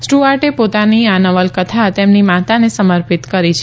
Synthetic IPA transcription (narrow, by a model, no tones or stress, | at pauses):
sʈuaɾʈepot̪anianəʋəlkət̪ʰat̪emnimat̪anesəməɾpit̪kəɾit͡ʃʰ